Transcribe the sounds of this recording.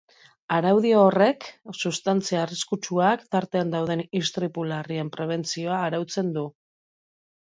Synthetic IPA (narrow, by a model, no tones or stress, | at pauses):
aɾawð̞ioːre̞ksust̪ant͡siaːriskut͡ʃuakt̪aɾt̪e̞and̪awð̞e̞nist̪ɾipulariempɾe̞β̞e̞nt͡sio̞aːɾawt͡se̞nd̪u